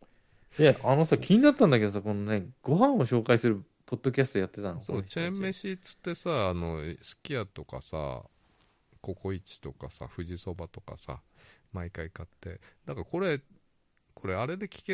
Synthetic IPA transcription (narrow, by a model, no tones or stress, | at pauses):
eʔano̞sakʲʰiɲ̟inat̪ːãnd̪ake̞d̪o̞s̬ako̞none̞ɡ̥o̞ɦãɰ̃oɕo̞ːkaisɨɾɯ | po̞d̪ːo̞kʲasɨt̪ojat̪ːe̞t̪ãnso̞ːt͡ɕemːe̞ɕit͡sɨ̥t̪ːe̞saːno̞sɨ̥kʲiat̪o̞ka̰sa̰ | ko̞ko̞it͡ɕi̥t̪o̞kasa̰ɸɯ̟ʑiso̞bat̪o̞ka̰sa̰maikaikat̪ːe̞̰d̪̥akako̞ɾe̞ | kʰo̞ɾe̞aɾe̞d̪e̞kʲi̥ke